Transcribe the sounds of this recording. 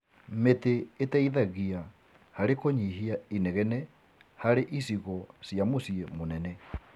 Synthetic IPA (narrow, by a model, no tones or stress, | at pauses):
meteetaiðaɣia | haɾekoɲiɦiaineɣɛnɛ | haɾeʔisiɣɔsijamosiemonɛnɛ